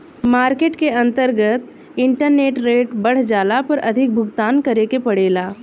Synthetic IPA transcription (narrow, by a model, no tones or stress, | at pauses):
maːɾkeːʈkeɐ̃nt̪əɾɡət̪ | ɪ̃ɳʈəɾneːʈɾeːʈbɐɽ̤d͡ʒaːlapɐɾɐd̪ʱɪk̚bʱʊɡt̪aːnkɐɾekepɐɽeːlaː